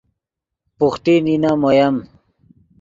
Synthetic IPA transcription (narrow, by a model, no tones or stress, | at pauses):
puxʈ̪ininamojɐm